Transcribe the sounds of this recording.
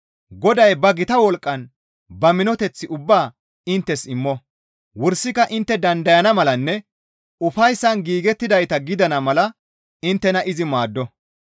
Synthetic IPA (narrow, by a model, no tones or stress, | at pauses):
ɡɔd̪ɐjbɐɡɪt̪ɐwɔlkʼːɐn | bɐmɪnɔt̪ɛt͡sːɪʔʊbːaː | ɪnt̪ːɛsɪmːɔ | wʊɾsɪkɐʔɪnt̪ːɛd̪ɐnd̪ɐjɐnɐmɐlɐnːɛ | ʊfɐjsːɐnɡiːɡɛt̪ːɪd̪ɐjt̪ɐɡɪd̪ɐnɐmɐlɐ | ɪnt̪ːɛnɐʔɪzɪmaːd̪ːɔ